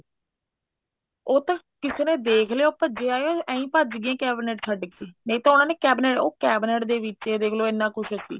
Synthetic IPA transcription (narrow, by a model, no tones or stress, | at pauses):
oːt̪ãː | kɪseːnẽːd̪eːkʰleːoːpəd͡ʒeːaːeoɛ̃ːĩːpəd͡ʒɡɪãːkɛːbɪneːʈt͡ʃʰəɖɡeːneĩːt̪ãːʊnaːneːkɛːbɪneːʈoːkɛːbneːʈd̪eːʋɪt͡ʃeːd̪eːkʰloːɪnːãːkʊʃəsḭː